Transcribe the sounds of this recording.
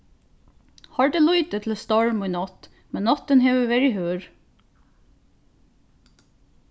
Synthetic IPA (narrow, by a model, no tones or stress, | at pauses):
hɑːɹd̪eːlɔʏt̪ət̪ʰl̩st̪ɑɹmʊʏnɑt̪ | mɛnnɑt̪ənheːʋəʋɛɹɪhøːɹ